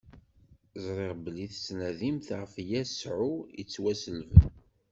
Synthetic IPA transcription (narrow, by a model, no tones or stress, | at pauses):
zˤɾˤeʁbliθsnæðimθʁəfjæsʕʊjət͡sːwæsəlvən